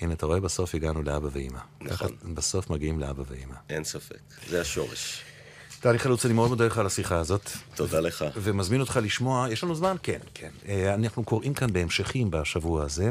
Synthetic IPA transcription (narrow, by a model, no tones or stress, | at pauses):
inat̪aʁo̞e̞baso̞fiɡanuleabaveḭma̰kaχabaso̞fmaɡiimlea̰baveima̰ʔensafḛkzeaʃo̞̰ʁḛʃ | taniχalut͡salimeo̞d̪modaleχalasiχaːzo̞tt̪odaleχave̞mazmino̞t̪χaliʃmo̞ajeʃlanuzmanke̞nkʰenanaχnuko̞ʁʔimkanbeemʃeχimbaʃavuaaze̞